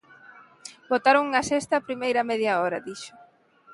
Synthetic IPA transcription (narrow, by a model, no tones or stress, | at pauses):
bot̪aɾoŋuŋɐsest̪ɐːpɾimejɾɐmɛðjɐɔɾɐd̪iʃʊ̥